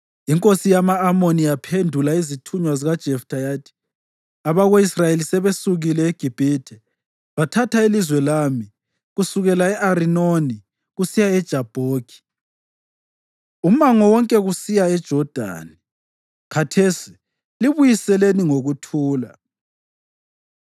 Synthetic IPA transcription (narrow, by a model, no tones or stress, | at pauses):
iŋkʼosijamaːmonijapʰendʱulaizitʰuɲwaziɣad̥ʒ̥ʱɛftʰʼajaːdʰʼi̥ | aβaɣoisrajelisɛβesuɣilɛeɡ̥ʱib̥ʱiːtʰɛ | βatʰatʰailizwɛlaːmi | ɣusuɣɛlaɛʔarinoni | ɣusijaɛd̥ʒ̥ʱab̥ʱoːɡ̥ʰʱi̥ | um̩aŋɔwɔŋkʼɛɣusijaɛd̥ʒ̥ʱɔd̥ʱa̰ːni | kʰatʰesi̥ | liβujisɛleniŋoɣutʰuːla